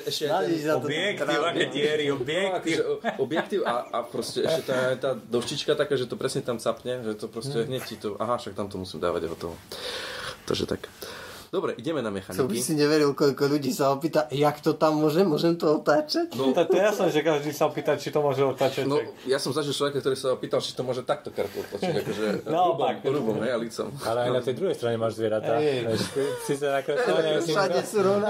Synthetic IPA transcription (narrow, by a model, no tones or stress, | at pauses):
ʔɛʃcɛnaiʃnat̪ɔjɛk̪ɾaakɛtɪɛɾiɔbɛakɔʒɛɔɔbjɛkt̪iʊaapɾɔscɛɛʃcɛt̪ɔɛaɲt̪aːd̪ɔʃcit͡ʃkat̪akaːʒɛt̪ɔpɾɛsɲɛt̪amsapɲɛʒɛt̪ɔpɾɔscɛɦɲɛct͡ɕit̪ɔʔa̰ɦaʃak̚t̪amt̪ɔmusiːmd̪a̰ːʋa̰ɟɦɔt̪ɔʋɔ̰ | t̪ɔ̰ʒɛ̰t̪a̰kd̪ɔbɾɛʔiɟɛmɛnamɛxanɔbisiɲɛʋɛɾilkɔʎkɔʎuɟiːsaɔpiːt̪ajakt̪ɔt̪amːʊɔʒɛmʊɔʒɛmt̪ɔɔt̪aːt͡ʃacnɔt̪akt̪ɔjasnɛʒɛkaʒd̪iːsaɔpiːt̪alt͡ʃit̪ɔmʊɔʒɛɔt̪aːt͡ʃanɔjasɔmzaʒilt͡ʃlɔʋɛkak̚t̪ɔɾiːsaɔpiːt̪alt͡ʃi̥t̪ɔmʊɔʒɛt̪ak̚t̪ɔkaɾt̪ɔt̪lat͡ʃiɟakɔʒɛnaɔbaɾubɔmɦɛjalit͡sɔ̰malɛajnat̪ɛjd̪ɾuɦɛjst̪ɾaɲɛmaːʒzʋɪɛɾat̪aɛsisɛnakɾɛaʃaɲɛsuɾɔʊna